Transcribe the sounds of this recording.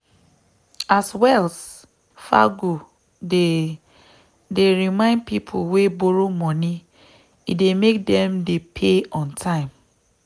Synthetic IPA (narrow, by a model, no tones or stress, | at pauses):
aswɛls | fa̰ɡo | e | deɹimãɪ̃nd̚pipʰowebɔɹomɔni | idemek̚dɛ̃mdepʰeɔ̃ntʰãɪ̃m